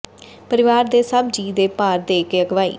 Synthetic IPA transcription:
pəɾɪʋaːɾd̪eːsəbd͡ʒiːd̪eːpaːɾd̪eːkeːəɡʋaːḭː

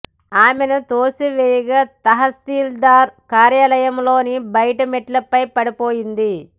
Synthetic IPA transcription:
aːmenɐt̪oːsiʋɛjɐɡat̪ɐɦɐst̪iːld̪aːɾkaːɾjaːlɐjɐmloːnibɐjɐʈɐmeʈlɐpːɐjpɐɽipoːjind̪i

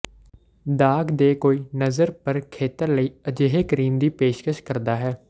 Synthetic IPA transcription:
d̪aːɡd̪eːkoːiːnəzəɾpəɾkʰeːt̪əɾləiːəd͡ʒeːɦeːkəɾiːmd̪iːpeːʃkəʃkəɾd̪aːɦɛː

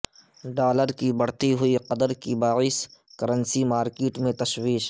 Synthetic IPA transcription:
ɖaːləɾkibɐɽ̤t̪iɦʊiqɐd̪əɾkibaːiːskɐɾə̃nsimaːɾkeːʈmẽt̪ɐʃwiːʃ

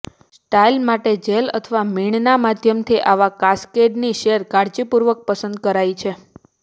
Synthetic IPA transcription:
sʈailmaʈed͡ʒelə̰t̪ʰəʋamiɳnamad̪ʱjəmt̪ʰiʔaʋakaskeɖniʃeɾkaɾd͡ʒipuɾʋək̚pəsənd̪̚kəɾait͡ʃʰe

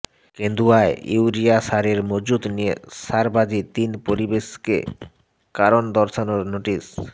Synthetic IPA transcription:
kend̪uaeiwɾiaʃaɾeɾmod͡ʑud̪nijesaɾbad͡ʑit̪inpoɾibeʃkḛ | kaɾond̪ɔɾʃanoɾnoʈis

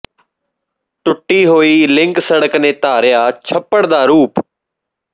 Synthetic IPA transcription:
ʈʊʈːiːɦoːiːlɪ̃ŋksəɽəknẽːt̪aːɾɪjaːt͡ʃʰəpːəɽd̪aːɾuːp

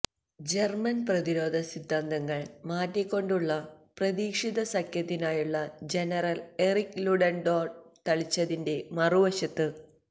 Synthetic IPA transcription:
d͡ʑermɐnprɐðiɾo̞ːd̪ʱɐsid̪ʱːand̪ɐŋːɐɭmaːtːikːo̞ɳɖuɭːɐprɐðiːkʂiðɐsɐkʰjɐt̪ːinaːjuɭːɐd͡ʑe̞nɐrɐle̞rikluɖɐɳɖoːɖt̪ɐɭit͡ɕːɐðinde̞mɐruʋɐɕɐt̪ːɨ

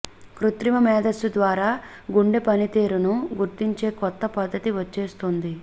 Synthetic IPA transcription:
kɾut̪ɾimɐmɛːd̪ɐsud̪ʋaːɾaː | ɡuɳɖepɐnit̪eːɾunuɡuɾt̪iɲt͡ʃe̞ːkɔt̪ːɐpɐd̪ːɐt̪iʋɐt͡ʃːe̞ːst̪ond̪i

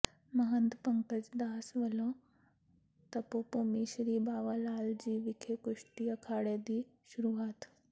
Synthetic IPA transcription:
məɦənd̪pəŋkət͡sd̪aːsʋəlõ | t̪əpopomiɕɾiːbaʋəlaːld͡ʑiːʋikʰekuʂʈiːəkʰaɽed̪iːɕuɾuaːt̪

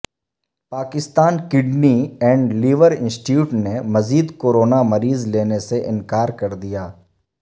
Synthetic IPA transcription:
paːkɪst̪aːnkɪɖniɛ̃ːɳɖliːʋəɾɪ̃nsʈjuːʈnemɐziːd̪koːɾoːnamɐɾiːzleːneseʔɪ̃nkaːɾkɐɾd̪ijaː

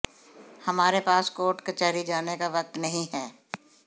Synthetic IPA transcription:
hɐmaːɾepaːskoːʈkɐt͡ʃaːɾid͡ʒaːnekaʋɐk̚t̪nɐɦĩɦɛː

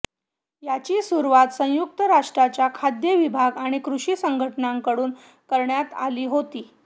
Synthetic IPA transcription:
jat͡ɕiːsuɾuʋat̪sə̃juk̚t̪əɾaʂʈɾat͡ɕjakʰad̪jəʋibʱaɡaɽ̃ikɾuɕiːsəŋɡʱəʈnaŋkəɽuːn | kəɾɳjat̪a̰liːɦot̪iː

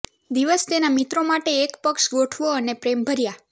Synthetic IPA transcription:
d̪iʋəst̪enamit̪ɾomaʈeːkpəkʃɡoʈʰʋoənepɾembʱəɾja

